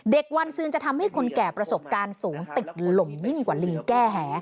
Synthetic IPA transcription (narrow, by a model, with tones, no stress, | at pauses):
de˨˩k̚wa˧nsɯː˧ŋt͡ɕa˨˩t̪ʰa˧mha˥˩jkʰo˧nkɛː˨˩pɾa˧so˨˩p̚kaː˧nsuː˩˦ŋt̪i˨˩t̪̚lo˨˩mji˥˩ŋkwaː˨˩li˧ŋkɛː˥˩ɦɛː˩˦